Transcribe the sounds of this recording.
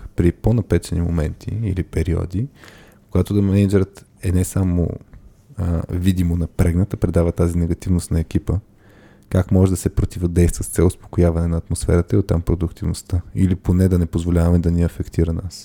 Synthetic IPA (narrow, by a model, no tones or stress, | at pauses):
pɾiponɐpɛt͡ʃɛnimo̰mɛ̰nt̪ʰḭilipɛɾiɔ̰d̪i | koɡat̪od̪ɐmɛnɐd͡ʒɛɾət̪ɛnɛsamo̰ | vid̪imonɐpɾɛɡnət̪əpɾɛd̪avət̪azinɛɡɐt̪ivnost̪nɐɛk̟ipə | kakmɔʒɛd̪ɐsɛpɾot̪ivod̪ɛjst̪vəst̪sɛlˠʊspo̥kʊjavɐnɛnɐːt̪mosfɛ̰ɾət̪əiot̪ːampɾod̪ʊkt̪ivno̰st̪əiliponɛd̪ɐnɛpozvolʲavɐmɛd̪ɐniɐfɛkt̪iɾəna̰s